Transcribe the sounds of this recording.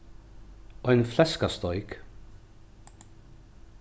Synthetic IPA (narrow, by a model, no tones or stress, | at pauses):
ɔjnflɛskast̪ɔʏk